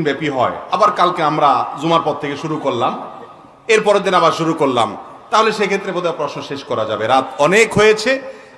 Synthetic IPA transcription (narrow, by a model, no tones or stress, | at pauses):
nbɛpiɦɔ̰eabaɾkalkeamɾazumaɾpɔt̪t̪ʰekeʃuɾukoɾlam | eɾpɔɾed̪inabaɾʃuɾukoɾla̰m | t̪aɦoleʃekʰet̪ːɾebot̪ʰeapɾɔsnoʃeʃkɔɾad͡ʑabeɾat̪ɔnekɦojet͡ɕʰe